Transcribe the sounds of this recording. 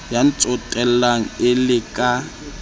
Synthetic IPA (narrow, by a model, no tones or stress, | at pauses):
jan̩t͡sʼɔtʼɛlaŋ̩ɪlɪkʼa